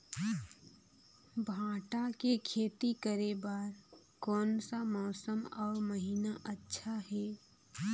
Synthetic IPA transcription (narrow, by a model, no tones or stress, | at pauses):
bʱãːʈakekʰeːt̪ikəɾebaːɾ | kɔːnsamɔːsəmɔːɾməɦiːnaʔətːʃʰaɦɛː